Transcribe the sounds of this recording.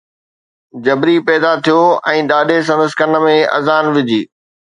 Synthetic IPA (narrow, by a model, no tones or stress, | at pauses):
d͡ʑɐbɾipɛːd̪at̪ʰijoɛ̃ːɗaːɗes̬ɐ̃nd̪əskənəmẽɐ̰zaːnʋɪd͡ʑʱiː